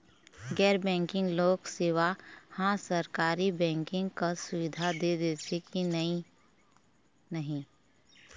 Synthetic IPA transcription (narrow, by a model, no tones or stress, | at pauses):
ɡɛːɾbɛ̃ːŋkɪ̃ŋɡloːkseːʋahãːsəɾkaːɾibɛ̃ːŋkɪ̃ŋɡkasʊʋɪd̪ʱad̪ed̪eːtʰekini | nəɦĩ